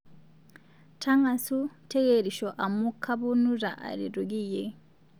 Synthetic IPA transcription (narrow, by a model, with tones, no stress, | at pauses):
tʰaŋɡa˨su˦te˦ɡeɾi˨ʃoʔa˨mu˦kʰa˦βu˦nu˦ɾa˨ʔa̰˨ɾiɾuɡi˦je